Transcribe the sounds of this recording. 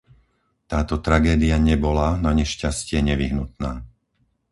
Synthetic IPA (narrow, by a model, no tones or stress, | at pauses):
t̪aːt̪ɔt̪ɾaɡɛːd̪iaɲɛbɔlanaɲɛʃcascɪɛɲɛʋiɦnut̪naː